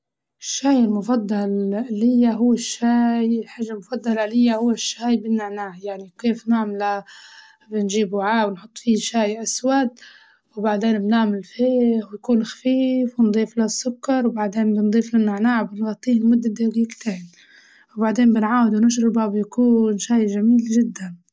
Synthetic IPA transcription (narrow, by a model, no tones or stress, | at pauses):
ɪʃːaːjɪlmʊfɑd̪ˤːɑllɪjːaɦʊwːɪʃːaːjlħaʒːalmʊfɑd̪ˤːɑlalɪjːahʊwːɪʃːaːjbɪnːaʕnaːʕjaʕnikeːfnaʕmla | bɪnʒiːbʕaːwɪnħʊt̪ˤːfiʃaːjʔaswad̪̚ | wbaʕd̪eːnbnɪʕmɪlfeːwjakuːnxḁfiːfwnd̪ˤiːflasːʊkːɑɾˤwbaʕd̪eːnbɪnd̪ˤiːflanːɪʕnaːʕbɪnɣɑt̪ˤːiːhɪlmʊd̪ːɪd̪ːaɡiːɡt̪eːn | wbaʕd̪eːnbɪnʕaːwɪd̪wnɪʃ̬ɾɪbawjakuːnʃaːjʒamiːlʒɪd̪ːan